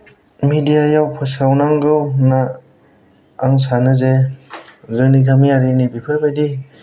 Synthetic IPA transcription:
midijajawpʰɯsawnaŋɡɯwna | ŋs̬anɯze | zɯŋniɡʰamiaɾinibipʰɯjbajdi

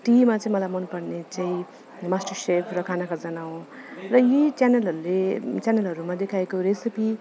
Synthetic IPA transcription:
ʈimat͡saĩmʌlajmʌnpʌrnet͡saĩ | masʈʌrsepʰrʌkʰanakad͡zʌnaw̃ | rʌjit͡sjanʌlɦʌɾulet͡sjanelɦʌɾumad̪ekʰaekoɾesipi

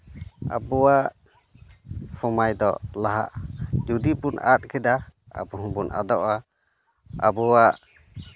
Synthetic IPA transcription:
a̰bɔwaʔ | sɔmajd̪ɔ̰laɦa̰ʔd͡ʒud̪ibuna̰t̪̚ˀkʰɛd̪aa̰bɔɦũbunʔa̰d̪ɔʔa | a̰bɔwaʔ

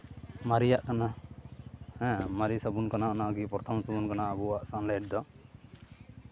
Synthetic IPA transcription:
maɾijaʔkana | hɛ̃maɾisəbunkanaʔɔnaɡipɔɾt̪ʰamsɔbunkanaʔəbuwaʔsanlɛʈ̚d̪ɔ

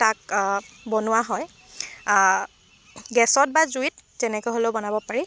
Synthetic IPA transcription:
tak̚bɔnʊwaɦɔj | ɡɛsɔt̚bazuit̚zɛnɛkoɦoleʊbɔnabɔpaɹi

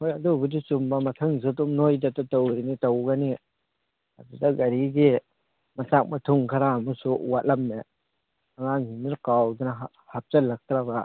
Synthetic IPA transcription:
hojadubɯdisumbamɐtʰɯŋzɯtumnojdatatɔwɾinitawɡani | a̰dudaɡɐɾiɡi | matak̚matʰuŋkʰaɾaːmusuwat̚lamːe | aŋaŋiniɾkawdɯnaɦ | hap̚t͡ʃalak̚t̪ɾaba

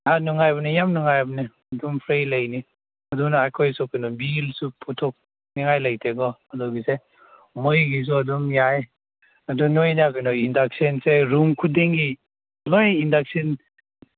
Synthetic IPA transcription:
anuŋajbanijamnuŋajabni | ɐdumpʰɾejlajni | ɐdunaakʰɔjsɔkɯnɔbilsupʰutʰɔk̚ | niŋajlajtʰeɡɔɐdɔɡise | mɔjɡis̬uaduŋjae | ɐdunojnaɡɯnɔindak̚senseɾumkʰudeŋɡi | lɔjindak̚sen

